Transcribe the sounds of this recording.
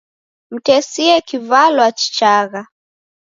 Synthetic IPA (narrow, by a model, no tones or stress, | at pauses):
m̩tɛsiɛkivalwat͡ʃi̥t͡ʃaɣa